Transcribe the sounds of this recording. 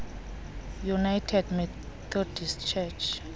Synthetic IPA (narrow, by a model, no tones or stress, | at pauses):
junajtʰɛdmɛ | t̪ʰɔdist͡ʃʰɛt͡ʃʰ